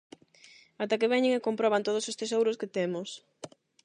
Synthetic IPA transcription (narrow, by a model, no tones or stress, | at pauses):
at̪akeβ̞ɛɲɪŋekompɾɔβant̪oð̞ʊsest̪esowɾʊsket̪emʊs